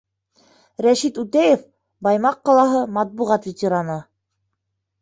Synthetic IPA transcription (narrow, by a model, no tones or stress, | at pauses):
ɾæʃit̪ut̪æjef | bɑjmɑqːɑlˠɑɦɤmɑt̪̚buʁɑt̪vʲɪtʲeɾanɤ